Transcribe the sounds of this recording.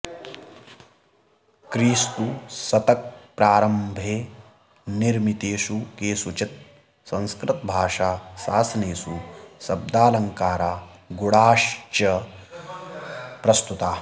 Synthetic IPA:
kɾiːst̪usɐt̪ɐk̚pɾaːɾɐmbʱeː | niɾmit̪eːʃukeːsut͡ʃit̪̚ | sɐ̃nskɾɪt̪bʱaːʂaːsaːsɐneːsusɐb̚d̪aːlɐŋkaːɾaː | ɡuɽaːʃt͡ʃɐ | pɾɐst̪ut̪aː

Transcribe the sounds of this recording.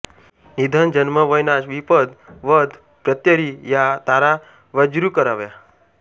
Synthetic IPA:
nid̪ʱənd͡ʒənməʋəjnaʃʋipəd̪ʋəd̪ʱ | pɾət̪jəɾijat̪aɾa | ʋəd͡ʒɾukəɾaʋja

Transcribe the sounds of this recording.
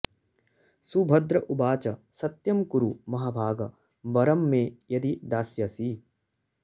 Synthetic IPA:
subʱɐd̪ɾɐʔubaːt͡ʃɐ | sɐt̪jɐmkuɾumɐɦaːbʱaːɡɐ | bɐɾɐmːẽːjɐd̪id̪aːsjɐsiː

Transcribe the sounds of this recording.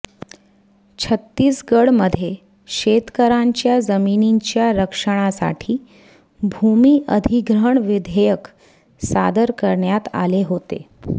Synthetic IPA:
t͡ɕʰət̪ːiːsɡəɽməd̪ʱje | ɕet̪kəɾaɲt͡ɕjad͡zəminiɲt͡ɕjaɾəkʂəɽ̃asa̰ʈʰiː | bʱumiːʔəd̪ʱiɡɾəɳʋid̪ʱejək | sa̰d̪əɾkəɾɳjat̪a̰leɦot̪e

